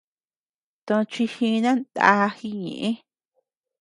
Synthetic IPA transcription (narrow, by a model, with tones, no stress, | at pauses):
t̪õ˧t͡ʃi˧hĩ˧nã˦nd̪a̰˧˦˧xi˧ɲḛ̃˨ʔẽ˦